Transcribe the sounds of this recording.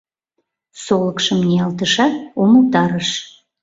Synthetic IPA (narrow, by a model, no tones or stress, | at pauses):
soləkʃəmnʲeɑlt̪əʃɑoməlt̪ɑɾəʃ